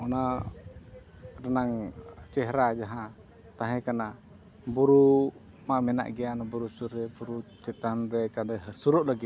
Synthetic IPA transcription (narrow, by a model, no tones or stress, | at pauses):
ɔna | ɾanaŋt͡ʃɛɦɾad͡ʒaɦã | t̪aɦɛ̃kana | buɾu | mamɛna̰ʔɡɛanabuɾusuɾɛbuɾut͡ʃɛt̪anɾɛt͡ʃanɛɦsuɾɔʔlaɡi